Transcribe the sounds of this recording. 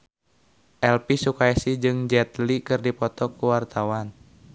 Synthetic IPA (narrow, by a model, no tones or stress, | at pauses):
ʔɛlpisukaisid͡ʒɨŋd͡ʒɛt̪likɨrdipɔt̪ɔkuwart̪awan